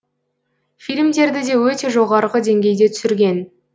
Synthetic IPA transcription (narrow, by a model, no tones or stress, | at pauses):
filʲmd̪e̞ɾd̪ɪd̪e̞wɵt̪e̞ʒo̞ʁɑɾʁəd̪e̞ŋɡʲe̞jd̪e̞t̪ʰʏ̥sɪɾɡʲe̞n